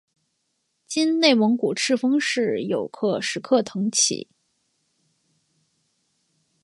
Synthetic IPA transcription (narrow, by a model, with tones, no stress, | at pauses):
t͡ɕi˥nne˥˩ɪmɤ˧˥ŋku˨˩ʈ͡ʂʰɻ̩˥˩fɤ˥ŋʂɻ̩˥˩jo˨˩ʊkʰɤ˥˩ʂɻ̩˧˥kʰɤ˥˩t̪ʰɤ˧˥ŋt͡ɕʰḭ˨˩˦